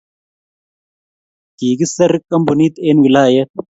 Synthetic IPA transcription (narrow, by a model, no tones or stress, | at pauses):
t̪iːɡisɐɾɨkʼːɐmbuniːt̪eːnwilaːjɐt̪̚